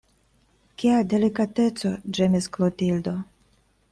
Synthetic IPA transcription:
kiade̞likate̞t͡so̞d͡ʒemisklotild̪o

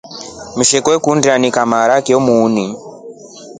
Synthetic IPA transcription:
muʃekowekundianikamaɾakiomuːni

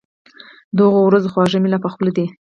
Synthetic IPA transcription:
d̪ɣowɾazoxwɑʐəmilapaxpəlad̪i

